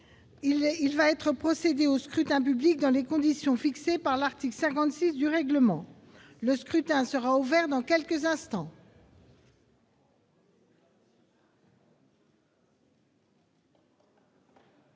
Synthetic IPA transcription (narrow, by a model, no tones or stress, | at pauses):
ilvaɛt̪χəpχɔsed̪eoskχyt̪ɛ̃p̬yblik̚d̪ɑ̃lekɔ̃d̪isjɔ̃fiksepaʁlaʁt̪iklsɛ̃kɑ̃t̪sisd̪yʁɛɡləmɑ̃ | ləskχyt̪ɛ̃səʁauvɛʁd̪ɑ̃kʲɛlkəzɛ̃st̪ɑ̃